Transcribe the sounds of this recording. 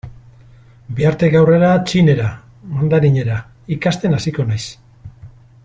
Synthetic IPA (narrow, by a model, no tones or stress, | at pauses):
biaɾt̪e̞ɡawre̞ɾat͡ʃine̞ɾa | mand̪aɾiɲe̞ɾa | ikast̪e̞nasiko̞najs